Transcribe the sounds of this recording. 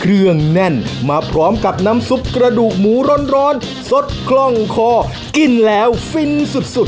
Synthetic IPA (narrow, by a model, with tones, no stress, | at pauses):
kʰɾɯ˧əŋnɛ˧˩nmaː˧˩pʰɾɔː˦˥mka˨˩p̚na˦˥msu˦˥p̚kɾa˧duː˨˩k̚muː˩˦ɾo˧˥˨nɾɔː˦˥n | so˦˥t̪̚kʰlɔ˧˩ŋkʰɔː˧˩ | ki˧˩nlɛː˦˥wfi˧nsu˨˩t̪̚su˨˩t̪̚